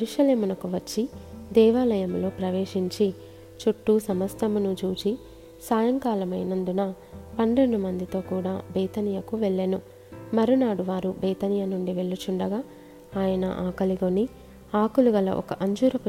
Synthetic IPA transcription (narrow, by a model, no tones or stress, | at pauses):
ɾuʂɐle̞ːmunɐkuʋɐt͡ʃːid̪ɛːʋaːlɐjɐmlo̞ːpɾɐʋeːʂiɲt͡ʃi | t͡ʃuʈːusɐmɐst̪ɐmunut͡ʃuːt͡ʃi | saːjɐŋkaːlɐmɐjnɐnd̪unɐ | pɐnɖ̪eɳɖumɐnd̪it̪o̞ːkuːɽaːbeːt̪ɐnijɐkuʋeɭːeːnu | mɐɾunaːɽuʋaːɾubɛːt̪ɐnijɐnuɳɖiʋe̞ɭːut͡ʃuɳɖɐɡaː | aːjɐnɐ̰ʔaːkɐliɡoni | aːkuluɡɐlɐ̰ʔɔ̰kɐ̰ʔɐɲd͡ʒuːɾɐku